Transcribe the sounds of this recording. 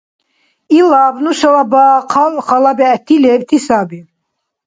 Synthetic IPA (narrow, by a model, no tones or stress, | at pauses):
ilabnuʃalabaqʰalχɑlabɛːt̪ʰːilɛbt̪ʰisabi